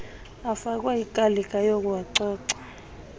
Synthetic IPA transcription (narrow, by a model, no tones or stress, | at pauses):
afak̬ʼwajikʼalikʼajokʼuwaǀɔːǀa